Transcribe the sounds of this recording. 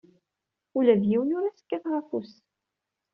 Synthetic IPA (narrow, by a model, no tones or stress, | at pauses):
ulæðjiwnʊɾæsə̥kːæθʁafus